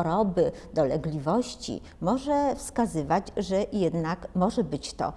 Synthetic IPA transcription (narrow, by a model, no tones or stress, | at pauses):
ɔɾɔbɘ | d̪ɔlɛɡlʲivɔɕt͡ɕḭ | mɔʐɛfskazɘvad͡ʑʐɛjɛd̪nakmɔʐɛbɘt͡ɕt̪ɔ̰